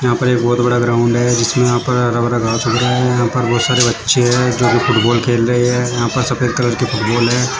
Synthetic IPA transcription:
jɐɦãːpɐɾeːk̚bɔːt̪bɐɽaɡɾaːʊ̃ɳɖɦɛd͡ʒɪsmẽjɐɦãːpɐɾɦɐɾabɐɽaɡaːt̪ʊɡɾaɦɛjɐɦãːpɐɾbɔːt̪saːɾebɐtːʃeɦɛːd͡ʒoːbifʰʊʈbɔːlkeːlɾɐɦiɦɛjɐɦãːpɐɾsɐpeːlkɐləɾkifʰʊʈbɔːlɦɛː

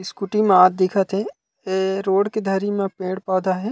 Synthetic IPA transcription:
ɪskuʈimẽaːd̪̚d̪ɪkʰət̪ɦɛ̃ | eɾoːɽked̪ʱɐɾimẽpẽːɽpɔːd̪aɦɛː

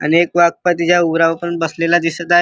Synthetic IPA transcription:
ə̰nekʋak̚pat̪id͡ʑauɾaʋapənbəslelad̪isət̪ae

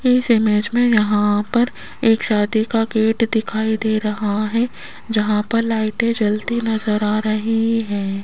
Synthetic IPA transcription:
ɪsɪmed͡ʒmẽjɐɦãpɐɾ | eːkʃaːd̪ikaɡeːʈd̪ɪkʰaːid̪eːɾɐɦaɦɛ | d͡ʒɐɦãpɐɾlaːɪʈẽd͡ʒɐlt̪inɐzəɾaːɾɐɦiɦɛ̃ː

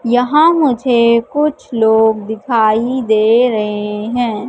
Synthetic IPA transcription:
jɐɦãmʊd͡ʒʱekʊt͡ʃʰloːɡd̪ɪkʰaːid̪eːɾɐɦeɦɛ̃ː

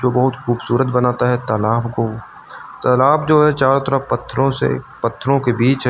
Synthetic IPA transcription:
d͡ʒoːbɐɦʊt̪xuːbsuːɾət̪bɐnaːt̪aɦɛt̪əːlaːbko | t̪əːlaːbd͡ʒoːɦɛt͡ʃaːɾõt̪əɾapɐt̪ʰːɾõsḛ | pɐt̪ʰːɾõkebiːt͡ʃ

